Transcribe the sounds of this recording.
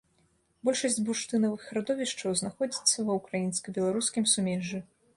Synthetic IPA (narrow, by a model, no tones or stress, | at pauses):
bɔlʲʂɐsʲd͡zʲbuʂt̪ɨnɐvɨxɾad̪ɔvʲiʂt͡ʂɐwznaxɔd͡zʲit̪sːɐvɐwkɾajinskɐbʲɛlˠaɾuskʲimsumʲɛʐɨ